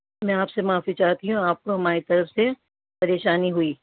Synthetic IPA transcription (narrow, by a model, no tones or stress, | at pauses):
mɛ̃aːpsemaːfit͡ʃaːɦt̪iɦũaːp̚koɦɐmaːɾit̪ɐɾəfse | pɐɾeːʃaːniɦuiː